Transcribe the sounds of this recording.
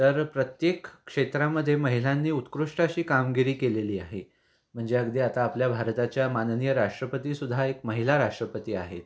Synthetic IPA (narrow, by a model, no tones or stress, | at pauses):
t̪əɾpɾət̪jekkʂet̪ɾaməd̪ʱːjeməɦil̤anːiːut̪kɾuʂʈaɕiːkamɡiɾiːkeleliːaɦe | m̤əɳd͡zeəɡd̪iat̪aːpljabʱaɾt̪at͡ɕjamannijəɾaʂʈɾəpət̪iːsud̪ʱaekməɦilaɾaʂʈɾəpət̪iːa̰ɦet̪